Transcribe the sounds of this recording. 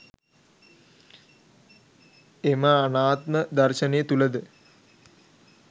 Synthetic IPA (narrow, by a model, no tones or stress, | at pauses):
eməanaːt̪məd̪ɐrʃənejət̪uləd̪ə